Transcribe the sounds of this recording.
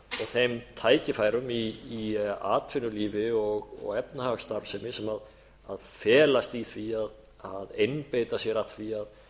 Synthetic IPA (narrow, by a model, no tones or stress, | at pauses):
ɔɣθejmt̪ʰaːjcɪfaːjɾʏmiː | a̰ːt̪ʰvɪnːʏliːvɪɔɣɔ̰ɣɛp̚nahaɣst̪aɾv̥sɛmɪsɛmað | aðfɛːlast̪iθviað | aðejnpejt̪asjɛɾat̪θviað